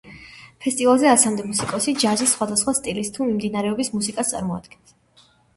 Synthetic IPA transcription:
pʰɛst̪ʼivalˠzɛasamd̪ɛmusikʼɔsid͡ʒazisːχwad̪asχwast̪ʼilist̪ʰumimd̪inaɾɛɔbismusikʼast̪sʼa̰ɾmɔa̰d̪̥ɡ̥ɛns

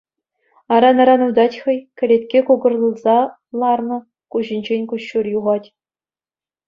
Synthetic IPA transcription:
ɑɾɑnɑɾɑnud̪ɑtʲχɤ̆jkʲɘ̆lʲet̪ʲkʲekuɡɤ̆rlˠɤ̆lˠzɑ | lˠɑrnɤ̆ | kuʑĭnʲd͡ʑenʲkuɕːurjuʁɑtʲ

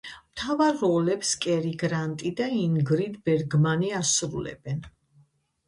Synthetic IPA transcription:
mt̪ʰavaɾːɔlɛpskʼɛɾiɡɾant̪ʼid̪aiŋɡɾit̪ʰbɛɾɡmaniasɾulɛ̰bɛn

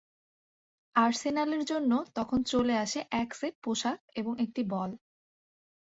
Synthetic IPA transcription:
aɾsenaleɾd͡ʑonːot̪ɔkʰont͡ɕoleaʃeʔɛkseʈ̚poʃakeboŋek̚ʈibɔl

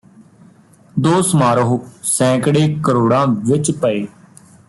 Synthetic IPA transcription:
d̪oːsmaːɾoɦoːsɛ̃ːkɽeːkəɾoːɽãːʋɪt͡ʃpəeː

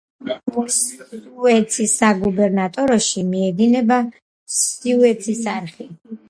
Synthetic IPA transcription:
s | ɛt̪sʰisaɡubɛɾnat̪ʼɔɾɔʃimiɛd̪inɛba | siuɛt̪sʰisaɾχi

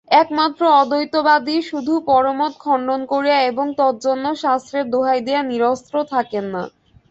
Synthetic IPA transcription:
ɛkmat̪ːɾoɔd̪ojt̪obad̪iʃud̪ʱupɔɾomot̪̚kʰɔɳɖonkoɾiaeboŋt̪ɔt̪̚d͡ʑonːoʃast̪ɾeɾd̪oɦajd̪eaniɾost̪ɾot̪ʰakenːa̰

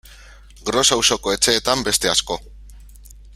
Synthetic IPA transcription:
ɡɾo̞sawso̞ko̞e̞t͡ʃe̞ːt̪ambe̞st̪e̞asko̞

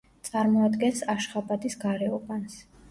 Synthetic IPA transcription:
t̪sʼaɾmɔad̪ɡɛnsaʃχabad̪isɡaɾɛɔbans

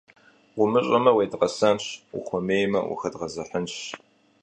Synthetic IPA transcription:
ʁʷʊmɨɕʼɐmɐweːdʁɐsɐmɕṵχʷɔmeːjmɐ̰ʔṵxɐdʁɐzɐħənɕ

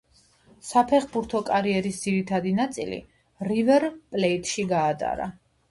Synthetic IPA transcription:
sapʰɛχbuɾt̪ʰɔkʼaɾiɛɾisd̪ziɾit̪ʰad̪inat̪sʼḭlḭ | ɾivɛɾpʼlɛit̪ʼʃiɡaːt̪ʼa̰ɾa̰

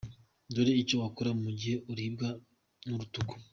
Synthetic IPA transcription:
doɾeit͡ʃowakuɾamuɟihe̞ʔuɾib̚ɡa | nuɾutuku̥

